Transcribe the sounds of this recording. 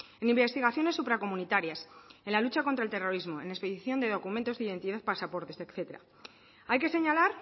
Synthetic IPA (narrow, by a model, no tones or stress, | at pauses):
e̞nimbe̞st̪iɣaθjo̞ne̞sːupɾako̞mũnit̪aɾjasenlalut͡ʃako̞nt̪ɾaelt̪e̞ro̞ɾizmo̞e̞ne̞spe̞ðiθjo̞nd̪e̞ð̞o̞kumẽ̞nt̪o̞zðeiðe̞nt̪iðaθpasapo̞ɾt̪e̞sekθe̞t̪eɾa̰ | ajke̞se̞ɲalaɾ